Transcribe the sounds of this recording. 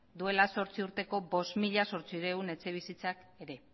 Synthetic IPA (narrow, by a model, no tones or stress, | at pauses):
d̪ue̞laso̞ɾt͡siuɾt̪e̞ko̞bo̞st̪miʎaso̞ɾt͡siɾe̞une̞t͡se̞β̞isit͡sak | e̞ɾe̞